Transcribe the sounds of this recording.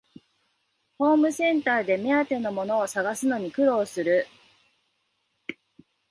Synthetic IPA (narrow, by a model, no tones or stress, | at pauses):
ho̞ːmɯ̟sẽ̞nt̪aːd̪e̞me̞at̪e̞no̞mo̞no̞ːsaɡasɨno̞ɲ̟ikɯ̟ɾo̞ːsɨɾɯ̟